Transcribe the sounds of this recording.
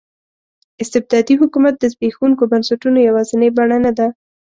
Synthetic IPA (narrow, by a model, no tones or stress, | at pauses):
ɪst̪ɪb̚d̪ɑd̪iɦʊkumat̪̚d̪əzbexuŋkobansaʈunojawɑzɪnebaɳanad̪a